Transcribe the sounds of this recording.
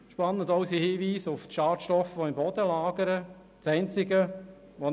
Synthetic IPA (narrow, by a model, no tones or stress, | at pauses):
ʃpɑnːədɔʊsihiːʋiːsʊftʃɑːtʃtɔfʋɔɪmbɔd̥əlɑːɡəɾə | t͡sɛɪnt͡sɪɡə | ʋɔ